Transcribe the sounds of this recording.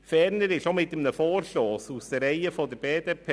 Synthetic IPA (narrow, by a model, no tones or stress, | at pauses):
fɛːɾnəɾɪʃomɪtːəmnəfoːɾʃlɔːsusd̥ərɾɛɪəfɔdəɾb̥eːd̥eːpʰe